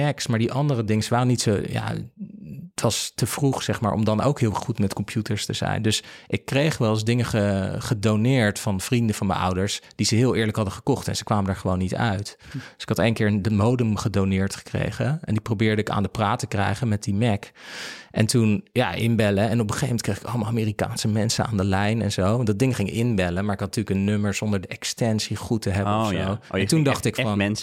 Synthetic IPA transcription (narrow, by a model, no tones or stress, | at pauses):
ɛksmaːɹdiʔɑndərədɪŋəsʋaːrənitsoja̰ | tʋɑstəv̥ruχsɛχma̰ːɹʔɔ̰mdɑno̰wkɦɪːlˠʋɛχχutmɛtkɔmpʰjutəɹstəzɛ̰jndɵsʔɪkːrejχʋɛlˠzdɪŋəχəχədonɪːɹtfɑnv̥rindəvɑnmə̰nʔʌ̰wdəɹsd̥izəɦɪːlˠɪːɹləkɦɑdəχə̥kɔχtɛ̰nzəkʋaːməndaːɹχəʋownːitœ̰ɥtd̥sɪ̥khɑtejnkɪːɹəndəmowdəmχədownɪːɹtχə̥krḛjχəɛndiprowbɪːɹdəɪka̰ːndəpraːtəkrɛ̰jχənmɛt̚dimɛkʔɛ̰ntunja̰ʔɪ̰nbɛləɛnɔpəχejfmɛntkreɪjχɪ̥kɑləmaːlˠamɪːrika̰ːnsəmɛnsəna̰ːndəlɛjnɛ̰nzowɑndɑd̚dɪŋχɪŋɪkɪnbɛlənmaːɹɪkɑtntyːləkənːøməɹz̥ɔndəɹdəʔɛkstɛnsiχutəɦɛbəsjowɛntundɑχtɪkfɑnɛn